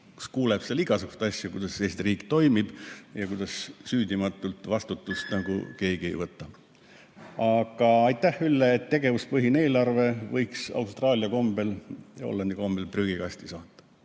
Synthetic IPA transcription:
ku̥skuːleb̥seliɡ̥ɑsuku̥st̪ɑsjukujd̪̥ɑseːst̪iriːkt̪o̞jmib̥jɑkujd̪̥ɑssyːd̪imɑt̪ːˑult̪ˑvɑst̪ut̪ːˑust̪nɑɡṵke̞ːɡ̥ie̞̰jvɤt̪ːˑɑ | ɑɡ̥ɑɑjt̪ːæhylːeːt̪ːe̞ɡ̥e̞vuspɤɦine̞ːlɑrve̞vɤjksɑ̰wst̪rɑːlʲiɑko̞mb̥e̞lo̰lːɑnd̪iko̞mb̥e̞lpryːɡikɑst̪isɑːt̪ːˑɑ̥

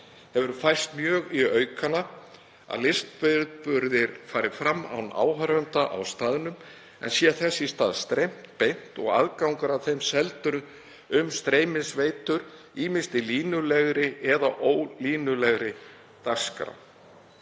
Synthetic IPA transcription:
hɛvʏɾfajr̥st̪mjœːɣiœɥkana | a̰ðlɪst̪̚pʏɾpʏɾðɪɾfaːɾɪfɾamːa̰wna̰ːwɦœɾvɛnt̪aʔa̰wst̪aːðɪnʏm | ɛ̰nsjɛθɛsːist̪aːðst̪ɾejm̥t̪pejn̥t̪ɔ̰ɣa̰ðkawŋkaɾawθejmsɛlt̪ʏɾ | ʏmst̪ɾeːjmɪsveːjt̪ʏɾ | iːmɪnst̪ɪliːnʏlɛɣɾɪɛðaʔoːwliːnʏlɛɣɾɪ | t̪askɾa̰w

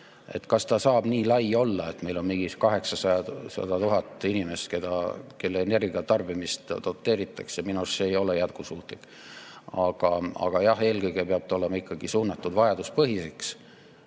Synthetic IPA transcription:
ḛt̪kɑst̪ɑsɑːb̥niːlɑjo̞lːɑe̞t̪me̞jlo̞nmiŋɡiskɑɦe̞ksɑsɑjɑsɑ̰d̪̥ɑt̪uɦɑt̪ːˑinime̞st̪ke̞d̪̥ɑke̞lːeːne̞rɡiɑt̪ɑrb̥imist̪d̪̥o̞t̪ːe̞ːɾit̪ːˑɑksjɑminusse̞jo̞le̞jæt̪̚kusuːt̪ˑlikː | ɑɡ̥ɑɑ̰ɡ̥ɑjɑhe̞ːlkɤjɡ̥epeɑt̪o̞lemɑikːˑɑɡ̥isuːnːɑt̪ːˑud̪vɑjɑd̪̥uspɤɦiseks

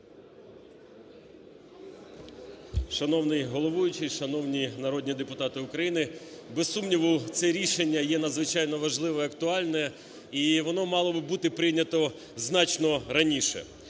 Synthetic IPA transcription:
ʃɐnɔwnɪjɦɔlˠɔʋujʊt͡ʃɪʃɐnɔwnʲinɐɾɔd̪ʲnʲid̪epʊt̪ɑt̪ɪʊkɾɐjinɪbesːumnʲiʋʊt̪sɛɾʲiʃenʲːɐjɛnɐd̪zʋɪt͡ʃɑjnɔʋɐʒlˠɪʋɔɐkt̪ʊɑlʲnɛ | iʋɔnɔmɑlˠɔbɪbut̪ɪpɾɪnʲɐt̪ɔ | znɑt͡ʃnɔɾɐnʲiʃɛ̰

